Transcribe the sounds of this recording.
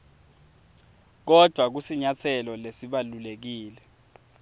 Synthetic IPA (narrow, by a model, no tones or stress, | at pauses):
k̬ɔd̥ʱwak̬usiɲat͡sʰɛlɔlesiɓalulek̬iːlɛ